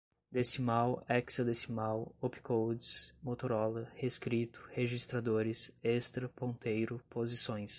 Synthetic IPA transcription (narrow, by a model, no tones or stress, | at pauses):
d̪esimawɛksɐd̪esimawopi̥kʰowd͡ʒɪsmot̪oɾɔlɐheskɾit̪ʊ̥heʒist̪ɾad̪oɾɪsest̪ɾɐpõnt̪ejɾʊpozisõj̃s